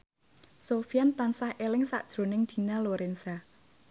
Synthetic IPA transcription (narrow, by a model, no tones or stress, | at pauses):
sofiant̪ansahʔelɪŋsa̰ʔd̥ʒ̥ɾo̤nɪŋd̪̥i̤naloɾɛnsa